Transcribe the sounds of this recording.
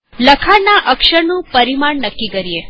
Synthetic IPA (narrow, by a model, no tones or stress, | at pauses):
ləkʰaɾnaʔəkʃəɾnũpəɾimaɳnəkːikəɾie